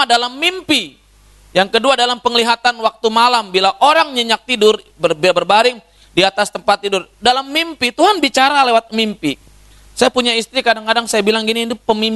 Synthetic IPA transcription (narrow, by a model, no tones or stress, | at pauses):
dalamːimpi | jaŋkəduadalampəŋliɦat̪anwak̚t̪umalambilaʔoɾaŋɲəɲak̚t̪idʊr | bəbbərbaɾɪŋ | diat̪ast̪əmpat̪ːidʊrdalamːimpit̪uɦanbit͡ʃaɾalewat̪̚mimpi | sajapuɲaist̪ɾikadaŋkadaŋsajabilaŋɡiniːd̪upəmim